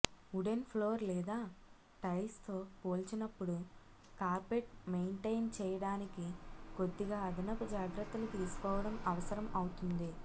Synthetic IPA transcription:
uɖenpʰloːɾlɛːd̪aː | ʈɐjst̪o̞ːpoːlt͡ʃinɐpːuɽu | kaːɾpeʈmejɳʈɐjnt͡ʃɛːjɐɽaːnikiko̞d̪ːiɡaːɐd̪ʱinɐpud͡ʒaːɡɾɐt̪ːɐlut̪ilusu̥kɔːʋɐɽɐmɐʋɐsɐɾɐmɐwut̪und̪i

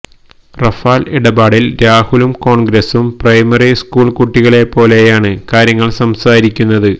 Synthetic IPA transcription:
rɐfaːliɽɐbaːɽilɾaːhulumko̞ːɳɡɾɐsumprɐjmɐriskuːɭkuʈːiɣɐɭe̞pːo̞ːle̞jaːɳɨkaːɾjɐŋːɐɭsɐmsaːɾikʲːunːɐðɨ

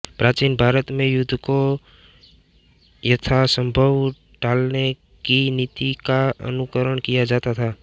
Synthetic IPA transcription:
pɾaːt͡ʃiːnbʱaːɾət̪mẽjʊd̪ʱːko | jɐt̪ʰasə̃mbʱəʋ | ɖaːlne | kinit̪ikaə̰nʊkəɾəɽkijad͡ʒaːt̪at̪ʰaː

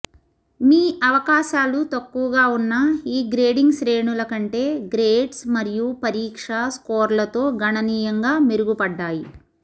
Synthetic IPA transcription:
miːʔɐʋɐkaːʃaːlut̪ɐkːuʋɐɡaːunːɐiːɡɾe̞ːɖiŋɡsɾe̞ːɳulɐkɐɳʈe̞ːɡɾeːɖsmɐɾijupɐɾiːkʂɐskoːɾlɐt̪o̞ːɡʱɐɳɐniːjɐŋɡaːmeɾuɡupɐɖːaːji

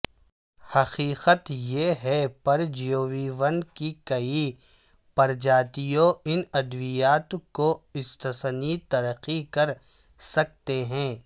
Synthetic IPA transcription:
hɐqiːqət̪jeɦɛpɐɾd͡ʒijoːʋiʋɐnkikɐi | pɐɾd͡ʒaːt̪ijõɪnɐd̪ʋijaːt̪koɪst̪əsnit̪ɐɾəqːikɐɾ | sɐk̚t̪eɦɛ̃ː

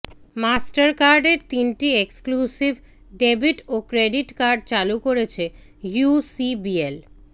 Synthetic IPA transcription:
masʈaɾkaɾɖeɾt̪inʈieksklusib | ɖebiʈokɾeɖiʈkaɾɖ̚t͡ɕalukoɾet͡ɕʰe | jusibiel

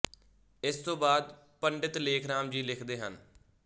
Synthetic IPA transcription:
ɪst̪õːbaːd̪ | pəɳɖɪt̪leːkʰɾaːmd͡ʒiːlɪkʰd̪eːɦən

